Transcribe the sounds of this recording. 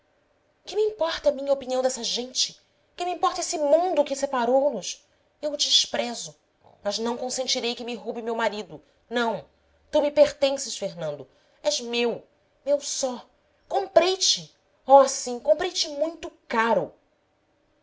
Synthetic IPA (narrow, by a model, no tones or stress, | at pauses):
kɪmiĩpɔɾt̪ɐmĩɲɐopiniɐ̃w̃d̪ɛsɐʒẽnt͡ʃɪ̥ | kɪmiĩmpɔɾt̪ɐesɪmũnd̪ʊkɪsepaɾownʊs | ewd͡ʒɪʃpɾɛzʊ | mɐznɐ̃w̃kõsẽnt͡ʃiɾejkɪmɪɦobɪmewmaɾid̪ʊ | nɐ̃w̃ | t̪umɪpeχt̪ẽsɪʃfeɦnɐ̃nd̪ʊ | ɛzmew | mewsɔ | kõmpɾejt͡ʃɪ | oasĩkõpɾejt͡ʃɪmũj̃t̪ʊkaɾʊ